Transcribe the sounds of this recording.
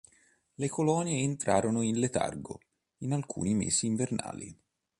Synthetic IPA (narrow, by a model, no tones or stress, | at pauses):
lekolɔnjeːnt̪ɾaːɾonoinlet̪a̰rɡo̰ | inalkʰṵːnimḛːsiːɱverna̰ːlḭ